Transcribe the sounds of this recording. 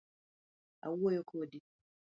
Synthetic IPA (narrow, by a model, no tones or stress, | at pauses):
a̰wojokʰodi